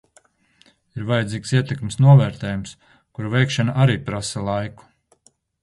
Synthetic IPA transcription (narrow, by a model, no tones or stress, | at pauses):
iɾvajɛd̪ziːksiɛt̪ekmsnuɔvɛːɾt̪ɛːjums | kuɾuvɛjkʃanaʔaɾiːpɾasɐlˠajku̥